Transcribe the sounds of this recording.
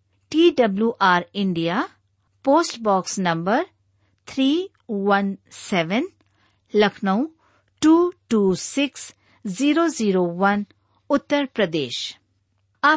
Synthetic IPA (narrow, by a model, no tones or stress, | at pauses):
ʈiːɖɐbljuːʔaːɾɪ̃ɳɖijaː | poːsʈbɔːksnɐ̃mbəɾ | t̪ʰɾiː | wɐnsɛːʋən | lɐkʰnəũ | ʈuːʈuːsɪks | ziːɾoːziːɾoʋɐn | ʊt̪ːəɾpɾəd̪eːʃ | ɐ